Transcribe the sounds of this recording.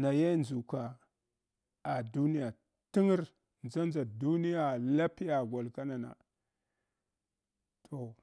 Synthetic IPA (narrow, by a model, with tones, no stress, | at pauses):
na˨ja˦nzu˨ka˨ | a˨du˦ni˦ja˨ | ti˦ŋi˦ɾ | nd͡za˦nza˨du˦ni˦ja˨la˦pi˦ja˨ɡʷa˨lka˦na˨na̰˨ | tʰo˨